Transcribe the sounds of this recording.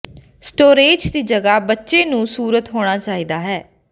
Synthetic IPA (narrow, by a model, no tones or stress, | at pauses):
sʈoːɾeːd͡ʒd̪iːd͡ʒəɡaːbətːʃeːnũːsuːɾət̪ɦoːɽ̃aːt͡ʃaːiːd̪aːɦɛː